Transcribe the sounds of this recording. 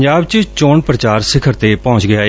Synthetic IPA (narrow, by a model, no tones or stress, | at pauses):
d͡ʒaːbt͡ʃət͡ʃoːɳpɾət͡ʃaːɾsɪkʰəɾt̪eːpɔ̃ːɲt͡ʃɡɪjaː